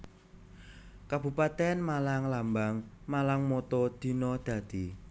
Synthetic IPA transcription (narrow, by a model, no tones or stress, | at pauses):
kab̥ṳpat̪ɛnmalaŋlambaŋ | malaŋmɔt̪ɔd̪̥i̤nɔd̪̥ä̤d̪̥i